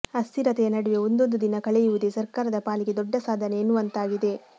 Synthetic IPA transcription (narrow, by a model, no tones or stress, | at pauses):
ɐst̪iɾɐt̪ɛjɐnɐɽuʋeo̞nd̪o̞nd̪ud̪inɐkɐɭɛjuʋud̪esɐɾkaːɾɐd̪ɐpaːliɡe̞d̪ɔɖːɐsaːd̪ʱɐneːnːuʋɐnt̪aːɡid̪e̞